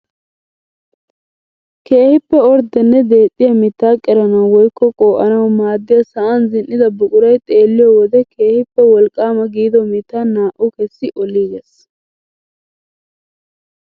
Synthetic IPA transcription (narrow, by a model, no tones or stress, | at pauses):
ke̞ːhɪpːɛɔɾd̪ɛnːɛd̪e̞ːt̪ʼːɪjɐmɪt̪ːaːkʼɛɾɐnɐwwɔjkːɔkʼoːʔɐnɐwmaːd̪ːɪjɐsɐʔɐnzɪnːɪd̪ɐbʊkʼʊɾɐjt̪ʼe̞ːlːɪjɔwɔd̪ɛkʰe̞ːhɪpːɛwɔlkʼːaːmɐɡiːd̪ɔmɪt̪ːanːaːʔʊkɛsːɪʔɔliːɡɛs